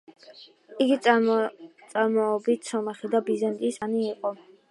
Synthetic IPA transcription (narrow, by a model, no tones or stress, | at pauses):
iɡi | t̪sʼaɾmɔːbit̪ʰsɔmɛχid̪abizɛnt̪ʼisaniːqʼɔ